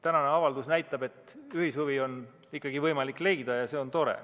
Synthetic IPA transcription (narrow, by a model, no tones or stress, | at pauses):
t̪ænɑne̞ɑvɑld̪usnæjt̪ˑːɑbe̞t̪ːˑyhishuvio̞n | ikːˑɑɡ̥ivɤjmɑlikːˑle̞jd̪ɑjɑse̞o̞nt̪o̞ɾḛ